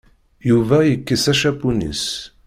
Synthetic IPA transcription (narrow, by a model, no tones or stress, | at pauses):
juvæjəkːəsæʃæpunḭs